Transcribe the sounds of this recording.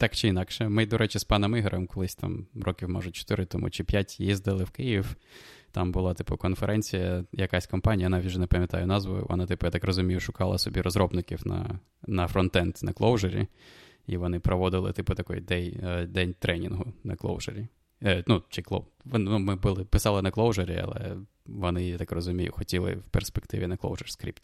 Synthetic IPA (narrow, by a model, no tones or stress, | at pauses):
t̪ɑkt͡ʃɪinɑkʃɛmɪd̪ɔɾʔɛt͡ʃɪspɑnɐmɪɦeɾʔɛmkɔlˠɪsʲt̪ɑ̰mɾɔkʲiwmɔ̰ʒʊt͡ʃɔ̥t̪ɪɾɪt̪ɔmʔṵt͡ʃɪpʲjatʲjizd̪ɐlˠɪwkɪjiwt̪ɑmbʊlˠɑt̪ɪ̥pʊkɔnfeɾʔɛnʲt͡sʲijɐjɐkasʲkɔmpanʲijɐnɑʋʲitʲwʒɛnɛpɐmʲjɐt̪ɑ̰jʊnɑzʋʊ̰jʊ̰ʋɔ̰nɑt̪ɪpʊjat̪ɑkrɔzʊmʲijʊʃʊkɑlˠɐ̰sɔbʲiɾɔzɾɔbnɪkʲiwnɐ̰ | nɐfɾɔnt̪ɛnt̪nɐklˠɔwʒeɾʲḭ | iʋɔnɪpɾɔʋɔd̪ɪlˠɪ̰t̪ɪpʊt̪ɐkɔ̰jd̪ɛjd̪ɛnʲt̪ɾʔɛnʲinɦʊnɐklˠo̰wʒ̥eɾʲi | nut͡ʃiklˠo̰ | ʋ̪numɪbʊlˠɪpɪsɑlˠɪnɐklˠɔwʒeɾʲḭɐ̰lˠɛ̰ | ʋɔnɪt̪akrɔzʊmʲijʊ̰xɔtʲilˠɪ̰wperspekt̪ɪʋʲinɐklˠo̰wʒɛrskɾʲḭpt̪ʲ